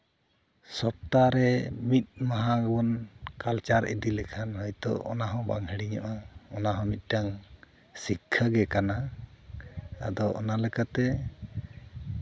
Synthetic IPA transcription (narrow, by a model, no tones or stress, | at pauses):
sɔp̚t̪aɾɛmit̪̚ˀmaɦaɡbɔnkalt͡ʃaɾʔḭd̪ilɛkʰanhɔjt̪ɔ̰ʔɔ̰naɦɔ̃baŋɦɛɽiɲɔ̰ʔaɔnaɦɔ̃mit̪̚ˀʈaŋ | sikʰːaɡɛkana | a̰d̪ɔʔɔ̰nalɛkat̪ɛ